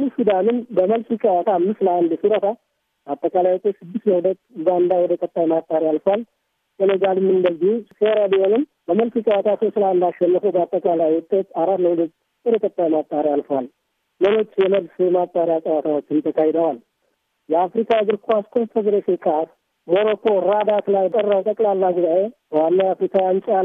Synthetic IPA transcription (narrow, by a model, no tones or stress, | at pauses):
ufid̪anɨnbəməlfɨt͡ʃʼawat̪ʰamːɨsləʔand̪siɾət̪ʰa | bat̪ʼːəkʼalajwut̪ʼet̪sɨd̪ːɨst̪ləhudət̪ːɡand̪awɔd̪əkʼət̪ʼːajmat̪ʼːaɾialfəwal | ʔənəɡalɨmːɨnd̪əlɡiseɾabiho̞nɨm | bəməlfit͡ʃʼəwat̪ʰasosləand̪aʃːɛnːəfubəat̪ʼːəkʼalajʊt̪ʼːet̪aɾaɾləhulət̪ː | wɔd̪əkʼət̪ʼːajmat̪ʼːaɾialfəwal | məlo̞t͡ʃːjɛməlsjɛmat̪ʼːaɾɪjasʼəwat̪ʰawo̞t͡ʃːɪnt̪ʰəkʰahɪd̪əwal | jɛafɾikʰaɡɨɾkʰaskʰofʰed̪ɾeʃekʼas | moɾo̞kʰo̞ɾad̪at̪lajt̪ʼərːawt̪ʼəkʼlalːaɡɨzaʔebəwanːawjafɾikʰawjant͡ʃʼa